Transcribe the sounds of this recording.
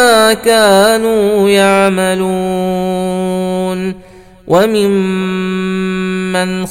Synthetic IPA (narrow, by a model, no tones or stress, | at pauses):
aːkaːnuːjaʕmalu | n | wʔamɪm | an